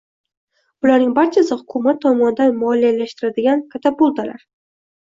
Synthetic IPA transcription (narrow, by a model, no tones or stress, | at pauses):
b̥ʊlaɾnɪŋbaɾt͡ʃʰasɪhʊkʰʊmat̪ʰːɒmɒnɪd̪anmɒlijalaʃt̪ɪɾad̪ɪɡʲankʰat̪ʰap̚bolˠd̪ala̰ɾ